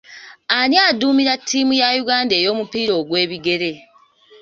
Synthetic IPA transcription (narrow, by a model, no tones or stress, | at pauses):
anjaːduːmiɾatʰːiːmujajuɡaːnde̞ːjo̞ːmupiːɾo̞ːɡwe̞ːβiɡe̞ɾe̞